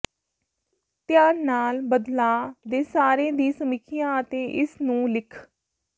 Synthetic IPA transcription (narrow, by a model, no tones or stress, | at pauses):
t̪jaːɾnaːlbəd̪laːd̪eːsaːɾẽːd̪iːsəmɪkʰɪjãːət̪ẽːʔɪsnũːlɪkʰ